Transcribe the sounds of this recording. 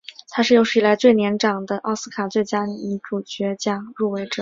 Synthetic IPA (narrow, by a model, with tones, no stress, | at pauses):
t̪ʰa˥ʂɻ̩˥˩jo˧˥ʂɻ̩˥˩i˧˩la˧˥ɪt͡swe˥˩ɪnjɛ˧˥nʈ͡ʂɑ˨˩ŋd̪ə˦ʔɑ˥˧ʊsɹ̩˥kʰa˨˩t͡swe˥˩ɪt͡ɕja˥ni˨˩i˧˥ʈ͡ʂu˨˩t͡ɕɥɛ˧˥t͡ɕjɑ˨˩ŋɻu˥˩we˧˥ɪʈ͡ʂɤ˨˩˦